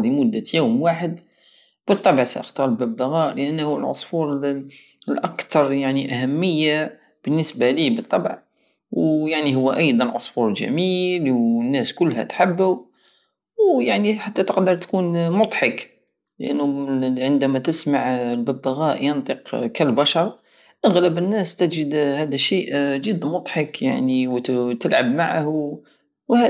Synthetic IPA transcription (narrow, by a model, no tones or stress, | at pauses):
limʊd̪ːajuːmwaħəd̪ | b̥ət̪ˤːɑbʕsæ̰ʔəxt̪ɑɾˤəlbæbːaɣæʔləʔənːhuəlʕʊ̰sˤfuɾ | əlʔɑkt̪ɑɾˤjaʕniʔæɦæmːəjːa | b̥ənːəsbalibət̪ˤːɑbʕ | wjaʕniɦʊwːæʔɑjd̪ˤɑnʕʊsˤfuɾəlʒæ̰milwnːæskʊlːɦæ̰t̪ħəbːu | wjaʕniħat̪ːæt̪əqd̪əɾˤt̪kunmʊd̪ˤħɑk | lʔə̰nːʊʕənd̪æmæt̪əsmaʕəlbəbːaɣæʔjɑnt̪ˤiqkəlbɑʃɑɾˤ | ʔaɣləbənːæst̪æd͡ʒəd̪hæd̪æʃiʔd͡ʒəd̪ːmʊd̪ˤħɑkja̰ʕniw̪t̪əlʕabmaʕa̰h | whæ